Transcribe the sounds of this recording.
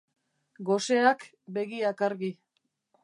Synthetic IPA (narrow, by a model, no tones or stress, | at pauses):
ɡo̞seak | be̞ɣiakaɾɣi